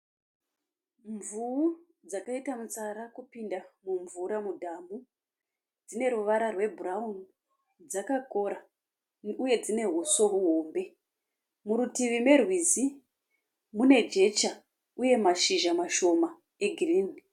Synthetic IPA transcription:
ɱvuu | d͡zakaitamut͡saɾakupindamuɱvuɾamudʱamu | d͡zine̞ɾuʋaɾarwe̞buraun | d͡zakako̞ɾa | uje̞d͡zine̞ɦuso̞ɦuɦo̞ːmbe̞ | muɾutiʋime̞rwizi | mune̞d͡ʒe̞t͡ʃa | uje̞maʃiʒamaʃo̞ma | eɡʱiriːni

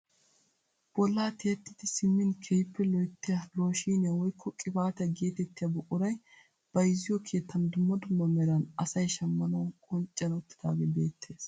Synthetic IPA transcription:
b̥ɔlːaːt̪ʰeːt̪ːɪt̪ɪsɪmːɪnkʰɛjpːɛlɔjt̪ːɪjɐlo̞ːʃiːnɪjɐwɔjkʰːɔkʼɪbaːt̪ɛɡe̞ːt̪ɛt̪ːɪjabɔʔʊɾɐj | b̥ɐjzːɪjɔkʰe̞ːt̪ːɐnd̪ʊmːɐd̪ʊmːɐmɛɾɐnɐsɐjʃɐmːɐnɐwkʼɔnt͡ʃʼːɐnʊt̪ːɪ̥d̪a̰ːɡeːbe̞ːt̪ʰːeːs

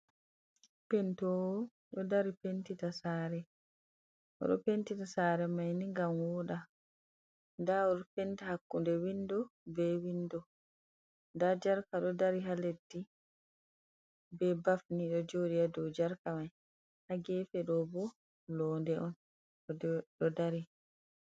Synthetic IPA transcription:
pɛntɔwɔ | ɗɔdaɾipentitasaːɾɛ | ʔɔ̰ɗɔ̰pentitasaːɾɛmajniŋɡamwɔɗa | ndaɔɗɔpentihakːundɛwindɔbɛwindɔ | ndad͡ʒaɾkaɗɔdaɾiɦaledːi | bɛbafniɗɔd͡ʒoɗijadɔwd͡ʒaɾkamaj | haɡɛːfɛɗɔbɔ | lɔːndɛʔɔn | ɗɔdaɾi

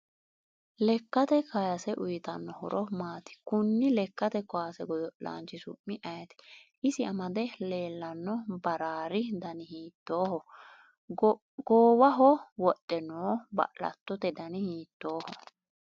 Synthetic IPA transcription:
lɛkːɐt̪ɛkʰɐjɐsɛʔʊjt̪ɐnːɔhɔɾʔɔmaːt̪ɪ̥kʊnːɪlɛkːɐt̪ɛkɔaːsɛɡɔd̪ɔla̰ːnt͡ʃːɪsʊ̰mːɪʔɐjɐt̪ɛ̥ʔɪsɪɐmɐd̪ɛle̞ːlːɐnːɔbɐɾaːɾɪd̪ɐnɪhiːt̪ːo̞ːhɔ | ɡ̥oːwɐɦɔwɔɗʼːɛnoːbɐ̰ʔlɐ̰t̪ːɔt̪ɛd̪ɐnɪhiːt̪ːo̞ːhɔ

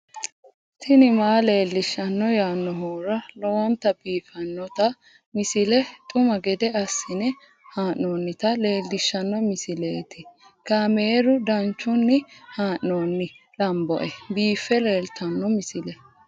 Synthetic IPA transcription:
t̪ʰɪnɪmaːle̞ːlːɪʃːɐnːɔjaːnːɔɦoːɾɐlɔwɔnt̪ɐbiːfɐnːɔt̪ɐ | mɪsɪlɛt̪ʼʊmɐɡɛd̪ɛɐsːɪnɛ | haːʔnoːnːɪt̪ɐle̞ːlːɪʃːɐnːɔmɪsɪleːt̪ɪ | kameːɾʊd̪ɐnt͡ʃːʊnːɪhaːʔnoːnːɪ | lɐmbɔ̰ʔɛbiːfːɛle̞ːlt̪ɐnːɔmɪsɪlɛ

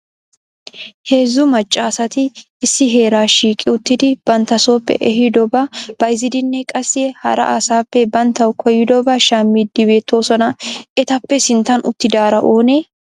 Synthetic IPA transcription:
he̞ːzːʊmɐt͡ʃʼːaːsɐt̪ɪː | sːɪɦe̞ːɾaːʃiːkʼːɪʊt̪ːɪd̪ɪb̥ɐnt̪ːɐso̞ːpːɛ̰ʔɛɦɪd̪ɔbɐb̥ɐjzɪd̪ɪnːɛkʼɐsːɪɛhɐ̰ɾɐ̰ʔasaːpːɛbɐnt̪ːɐwkʰɔjːɪd̪ɔbɐʃaːmːɪd̪ːɪbe̞ːt̪ːo̞ːsɔnɐʔɛt̪ɐpːɛsɪnt̪ːɐnʔʊ̰t̪ːɪd̪aːɾɐʔo̞ːneː

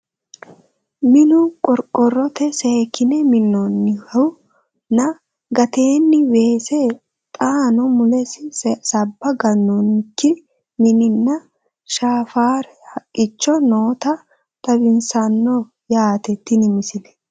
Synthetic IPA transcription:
mɪnʊkʼɔɾkʼːɔrːɔt̪ɛseːkːɪnɛmɪnːɔnːɪhɐw | nɐ | ɡɐt̪eːnːɪbe̞ːse | t̪ʼaːnɔmʊlɛsɪsɐbːɐɡɐnːɔnkːɪ | mɪnɪnːɐ | ʃaːfaːɾ | hɐkʼːɪt͡ʃːɔnoːt̪ɐ | t̪ʼɐbɪnsɐnːɔ | jaːt̪ɛt̪ːɪnɪmɪsɪlɛ̥

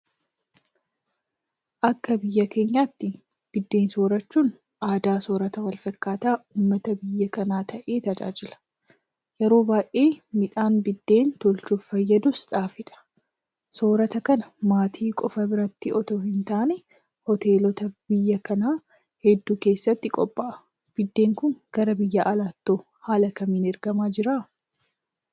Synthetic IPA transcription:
ʔɐkːɐbɪjːɐke̞ːɲːaːt̪ːɪ | b̥ɪd̪ːe̞ːnsoːɾɐt͡ʃːuːn | aːd̪aːsoːɾɐt̪ɐwɐlfɐkːaːt̪aːuːmːɐt̪ɐbɪjːɐkɐnaːt̪ʰɐʔe̞ːt̪ɐd͡ʒa̰ːd͡ʒɪlɐ̥ | jɛɾo̞ːbaːjʔeːmɪᶑaːnbɪd̪ːe̞ːnt̪ɔlt͡ʃuːffɐjːɐd̪ʊsᶑ̪aːfɪᶑ̪ɐ̥ | so̞ːɾɐt̪ɐkɐnɐmaːt̪ʰiːkʼɔfɐbɪɾɐt̪ːɪʔɔt̪oːɦɪnt̪aːnɛ | hɔt̪e̞ːlɔt̪ɐb̥ɪjːɐkɐnaː | hɛd̪ːuːke̞ːsːɐt̪ːɪkʼɔpʼːɐʔɐ | b̥ɪd̪ːe̞ːŋkʊŋɡ̥ɐɾɐbɪjːɐʔːlaːt̪ːoː | haːlɐkɐmiːnɛɾɡɐmaːd͡ʒɪɾaː

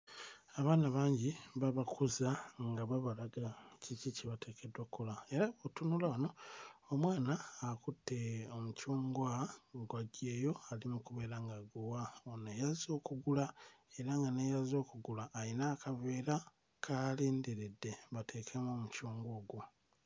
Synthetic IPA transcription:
aβaːnaβaːɲɟiβaβakʰuzaŋɡaβaβalaɡacʰiciceβate̞ːke̞dwakulae̞ɾaβotunulaβano̞ːmwaːnaːkutːeomucuːŋɡwaɡwaɟe̞ːjo̞alimukuβe̞ːɾaŋɡaɡuwaonejazo̞ːkuɡulae̞ɾaŋɡanejazo̞ːkuɡulaʔːinaːkʰave̞ːɾa | kʰaleːnde̞ɾe̞dːe̞βatʰe̞ːkʰemoːmucuːŋɡo̞ːɡwo

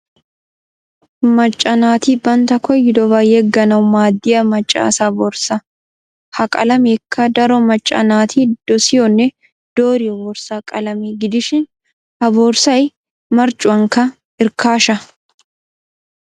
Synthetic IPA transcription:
mɐt͡ʃʼːɐnaːt̪iːbɐnt̪ɐkɔjːɪd̪ɔbaːjɛɡːɐnɐwʊmaːd̪ːɪjɐmɐt͡ʃʼːa̰ːsabɔːɾsɐ | hɐkʼɐ̰lɐmɛkʰːɐd̪ɐɾɔmɐt͡ʃʼːɐ̰naːt̪ʰiːd̪̥ɔsɪjɔnːɛ | d̪̥oːɾɪjɔbɔɾsaːkʼɐlɐmiɡɪd̪ɪʃɪn | hɐboːɾsɐj | mɐɾt͡ʃʼʊɐŋkɐ | ɪɾkʰaːʃɐ

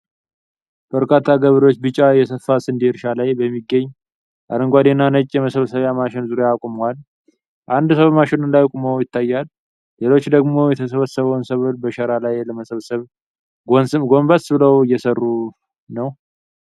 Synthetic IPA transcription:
b̥əɾkʰat̪ʰːaɡəβəɾo̞t͡ʃːbɨt͡ʃʼajɛsəfːasɨnd̪iɾʃalajbəmːiɡːəɲː | ʔa̰ɾəŋɡʷad̪enːanət͡ʃʼːjɛməsəβəsəβjamaʃɪnzuɾjaakʼumwal | ʔand̪səββmaʃɪnunlajkʼmowjɪt̪ːajːalː | e̞lo̞t͡ʃːd̪əɡmo̞jɛt̪ʰəs̬əβəsːəβəwnsəβɨlbəʃəɾalajləməsəβəsəβ | ɡonsɨmɡo̞mbəsbɨləwjːɛsərːu | nəw

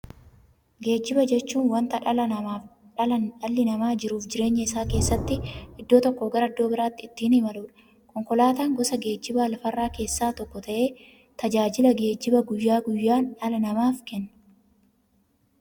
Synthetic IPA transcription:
ɡe̞ːd͡ʒːɪbɐd͡ʒɛt͡ʃːuːnwɐnt̪ɐᶑɐlɐnɐmaːf | ᶑɐlɐnᶑɐlːɪnɐmaːd͡ʒɪɾuːfd͡ʒɪɾe̞ːɲːɐɪsaːke̞ːsːɐt̪ːɪʔɪd̪ːoːt̪ɔkːoːɡɐɾɐɐd̪ːo̞ːbɪɾaːt̪ːɪɪt̪ːiːnɪmɐluːᶑɐ̥ | kɔŋkɔlaːt̪aːŋɡɔsɐɡe̞ːd͡ʒːɪbaːlɐfɐrːaːke̞ːsːaːt̪ɔkːɔt̪ɐʔe̞ː | t̪ɐd͡ʒaːd͡ʒɪlɐɡe̞ːd͡ʒːɪbɐɡʊjːaːɡʊjːaːnᶑɐlɐnɐmaːfkɛnːɐ

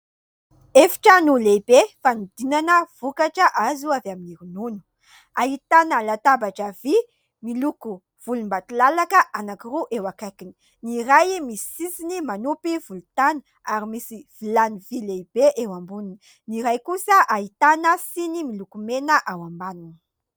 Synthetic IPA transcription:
efi̥ʈ͡ʂənulebefanud̪̥inanəv̥ukaʈ͡ʂəʔazuavaminiɾununu̥ | aɦit̪analat̪abaʈ͡ʂəvi | miluku | v̥ulumbat̪ulalakəʔanakiɾuʔewakajkini̥ | niɾajmisi̥sisinimanupiv̥ulut̪anə̥ | aɾimisiv̥ilanivilebeʔewambunini | niɾajkusəʔaɦit̪anəsinimilukumenəʔawambanuni̥

